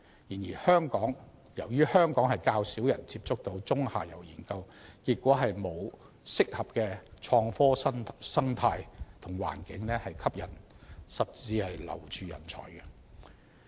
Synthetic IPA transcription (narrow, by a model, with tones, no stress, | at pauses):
jiː˨˩njiː˨˩hœː˥ŋkɔː˨˥ŋ | jɐ˨˩wjyː˥hœː˥ŋkɔː˨˥ŋɦɐ˨jkaː˧wsiː˨˥wjɐ˨˩nt͡siː˧p̚t͡sʊ˥k̚t̪o˧wt͡sʊ˥ŋha̰ː˨jɐ̰˨˩wjḭː˨˩nkɐ˧w | kiː˧t̚kːwɔː˨˥ɦɐ˨jmo˨˧w | sɪ˥k̚hɐ˨p̚kɛː˧t͡ʃʰɔː˧ŋfɔː˥sɐ˥sɐ˥ŋt̪ʰaː˧jt̪ʰʊ˨˩ŋwa̰ː˨˩nkɪ˨˥ŋnɛː˥hɐ˨jkʰɐ˥p̚jɐ˨˩n | sɐ˨p̚t͡siː˧hɐ˨jlɐ̰˨˩wt͡ʃʰyː˨jɐ̰˨˩nt͡sʰɔ̰ː˨˩jkɛ˧